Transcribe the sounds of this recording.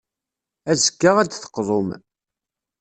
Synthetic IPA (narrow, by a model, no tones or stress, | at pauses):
æzəɡːaʁæd̪θə̥qːðˤom